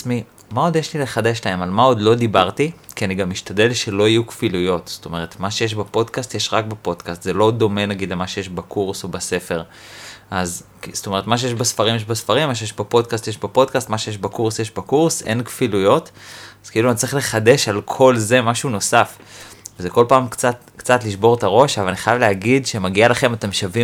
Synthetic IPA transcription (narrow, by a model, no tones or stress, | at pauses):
mi | mao̞d̪jeʃlile̞χade̞ʃlae̞malmao̞d̪lo̞d̪ibaʁt̪ikianiɡamiʃtade̞lʃe̞lo̞ijukfilujo̞tz̥o̥to̞me̞ʁ̞et̪maʃejeʃ̬bepo̞d̪kast̪jeʃʁak̚bepo̞dkast̪zelo̞d̪o̞me̞naɡid̪lemaʃe̞jeʃbakʰuʁsobase̞fe̞ʁʔazkist̪o̞me̞ʁet̪maʃ̬ejeʃbesfaʁimjeʃbesfaʁimːaʃ̬ejeʃbapo̞d̪kast̪jeʃbepo̞dkastmaʃe̞jeʃbakuʁsjeʃbakuʁse̞̰nkfilujo̞taz̥keiluanitt͡seiχle̞χade̞ʃalkʰo̞lze̞maʃuno̞safvezeko̞lpaːmkt͡sat | kt͡satliʃbo̞ʁt̪aʁo̞ʃavalaniχajavleaɡidʃemaɡialaχe̞mat̪emʃavi